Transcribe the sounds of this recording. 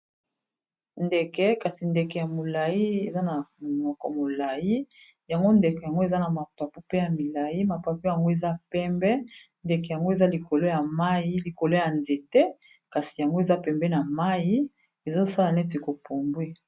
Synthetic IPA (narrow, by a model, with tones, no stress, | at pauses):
nde˨kɛ˦ka˨si˨nde˨kɛ˨ja˨mo˨la˨ji˦e˨za˦na˨mo˨nɔ˨kɔ̰˨mo˨la˨ji˦ | ja˨ŋɡo˦nde˨kɛ˨ja˨ŋɡo˦e˨za˦na˨ma˨pa˨pu˦pe˦ja˨mi˨la˨ji˦ma˨pa˨pu˦ja˨ŋɡo˦e˨za˦pɛ˦mbɛ˦ | nde˨kɛ˨ja˨ŋɡo˦e˨za˦li˨ko˨lo˦ja˨ma˦ji˦li˨ko˨lo˦ja˨nze˨tɛ˦ | ka˨si˨ja˨ŋɡo˦e˨za˦pɛ˨mbɛ˦na˨ma˦ji˦ | e˨zo˦sa˦la˨nɛ˦t̬e˨ko˨po˨mbwe˦